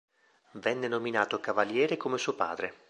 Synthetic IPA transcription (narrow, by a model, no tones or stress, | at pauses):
vɛnːenominaːt̪okavaljɛːɾekomesuːopa̰ːd̪ɾe